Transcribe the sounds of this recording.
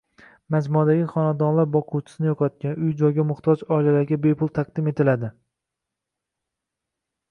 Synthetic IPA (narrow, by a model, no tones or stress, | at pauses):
mad͡ʒmuad̪aɡʲɪχɒnad̪ɒnlaɾbɒqʰuwt͡ʃʰɪ̥sɪnɪjoqʰɒt̪̚kʲanʊjd͡ʒɒjɡʲamʊχt̪ʰɒd͡ʒɒilalaɾɡʲabepʰʊlˠt̪ʰɑq̚d̪ɪme̞t̪ɪlad̪ɪ